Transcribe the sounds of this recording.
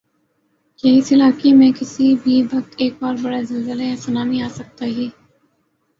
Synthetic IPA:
jɐɪsɪlaːkemẽkɪsibʱibʱɐk̚t̪eːk̚baːɾbɐɽezɐlzəleɛ̃sɐnaːmiaːsɐk̚t̪aɦiː

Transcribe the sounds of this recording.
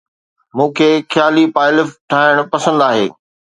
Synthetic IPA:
mũːkʰeːxjaːlipaːɪlɪfʈʰaːɦɪɽ̃pɐsə̃nd̪aːɦḛː

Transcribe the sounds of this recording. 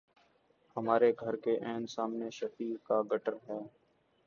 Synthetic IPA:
həmaːɾeɡʱəɾkeʔɛ̃ːnsaːmneʃəpiːkaːɡəʈəɾɦɛː

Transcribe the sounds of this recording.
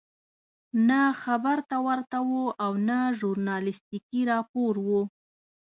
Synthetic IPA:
naxabaɾt̪awaɾt̪awoʔawnaʒuɾnɑlɪst̪ikiɾɑpoɾwu

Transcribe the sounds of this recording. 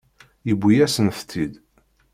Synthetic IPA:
jəbʷːijæsənθt̪ʰːid̪

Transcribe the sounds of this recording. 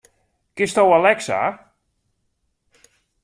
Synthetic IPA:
kɪstowalɛksa̰

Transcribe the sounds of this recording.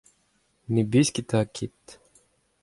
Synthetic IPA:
nibisʲkʲit̪akʲʰit̪

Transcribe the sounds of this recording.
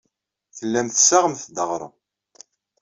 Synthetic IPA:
θəlːæmθəsaʁəmθd̪əʁɾˤə̰

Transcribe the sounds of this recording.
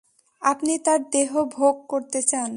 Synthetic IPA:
apnit̪aɾd̪eɦobʱoɡ̚koɾt̪et͡ɕan

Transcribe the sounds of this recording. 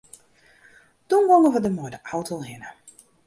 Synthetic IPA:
d̥unʋoŋəʋədəmojdəʔawtəlˠhɪnə

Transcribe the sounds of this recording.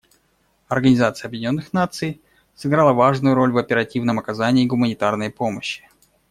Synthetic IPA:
ɐrɡənʲɪzat̪sɨjəɐbjɪdʲnʲo̞nːɨxnat̪sɨj | sɨɡɾalˠəvaʐnʊjʊɾo̞lʲvəpʲɪɾɐtʲivnəmɐkɐzanʲɪːɡʊmənʲɪt̪arnəjpo̞məɕːɪ̥

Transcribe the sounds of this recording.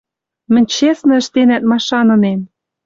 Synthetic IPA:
mɘ̆nʲt͡ɕesnɤ̆ə̆ʃt̪enæt̪̚mɑʃɑnɤ̆nem

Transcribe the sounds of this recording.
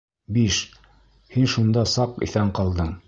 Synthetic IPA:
biʃ | hinʃund̪ɑsɑqḭθæɴqɑlˠd̪ɤɴ

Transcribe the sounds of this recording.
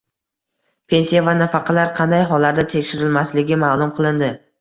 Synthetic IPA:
pʰe̞nsijavanafɑqʰɑlaɾqʰɑnd̪ajɦɒlːaɾd̪at̪ʰe̞kʲʃɪɾɪlmaslɪɡʲɪmaːlˠʊmqʰɨlˠɪnd̪ɪ

